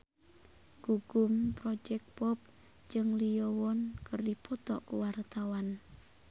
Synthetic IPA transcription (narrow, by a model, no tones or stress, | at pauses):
ɡ̥uɡumpɾɔd͡ʒɛk̚pɔp̚ | d͡ʒɨŋlijɔwɔnkərdipɔt̪ɔʔkuwart̪awan